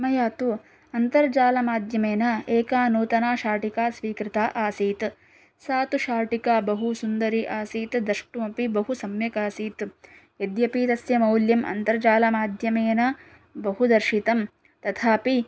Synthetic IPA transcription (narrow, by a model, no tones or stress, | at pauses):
ɐmɐjaːt̪u | ɐnt̪ɐɾd͡ʒaːlɐmaːd̪ʱjɐmeːnɐeːkaːnuːt̪ɐnaːʃaːʈikaːsʋiːkɾɪt̪aːʔaːsiːt̪ | saːt̪uʃaːʈikaːbɐɦusund̪ɐɾiʔaːsiːt̪d̪ɐʂʈumɐpibɐɦusɐmjɐkaːsiːt̪ | ed̪jɐpiːt̪ɐsjɐmɐwljɐmʔɐ̰nt̪ɐɾd͡ʒaːlɐmaːd̪ʱjɐmeːnɐ | bɐɦud̪ɐɾʃit̪ɐm | t̪ɐt̪ʰaːpi